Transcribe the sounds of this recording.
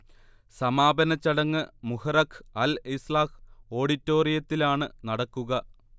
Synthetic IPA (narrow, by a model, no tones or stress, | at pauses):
sɐmaːbɐnɐt͡ɕːɐɽɐŋːɨmuhɐrɐkʰɐlislaːko̞ːɽitːo̞ːrijɐt̪ːilaːɳɨnɐɽɐkːuɣɐ